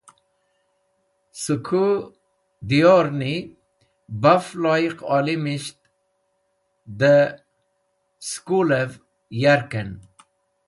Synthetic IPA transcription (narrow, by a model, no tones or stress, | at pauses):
sukʰu | d̪ioɾni | baflɔjiqɔlimiʃt | d̪ə | skuləv | jaɾkən